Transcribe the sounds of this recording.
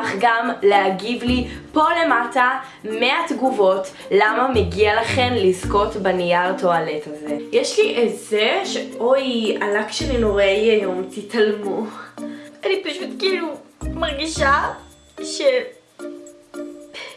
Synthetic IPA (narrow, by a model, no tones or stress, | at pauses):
χɡamleaɡivlipo̞le̞mata | meatɡuvo̞t | lamameɡialaχe̞mlisko̞tbanijaʁtoaletazejeʃliʔezeʃeʔo̞janakʃelinoʁejajo̞mtitalmu | anipaʃutkiiːlumaʁɡiʃa | ʃel